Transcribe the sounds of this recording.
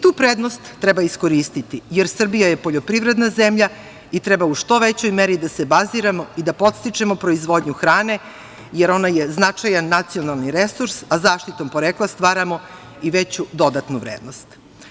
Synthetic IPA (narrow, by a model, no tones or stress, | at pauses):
t̪uːpɾeːd̪nost̪ːɾɛbaiskoɾist̪it̪ijeɾsr̩bijaje̞po̞ʎo̞pɾiʋɾe̞d̪naze̞mʎa | it̪ɾɛbauʃt̪o̞ʋet͡ɕo̞jmeɾid̪ase̞baziɾamo̞id̪apo̞t̪st̪it͡ʂe̞mopɾo̞izʋo̞d̪ɲuxɾaːne̞ | jeɾo̞najeznat͡ʂajanːat̪sio̞nalˠniɾe̞suɾsazaːʃt̪it̪o̞mpo̞ɾeːklˠast̪ʋaːɾamo̞ | iʋet͡ɕud̪o̞d̪at̪nuʋɾeːd̪no̞st̪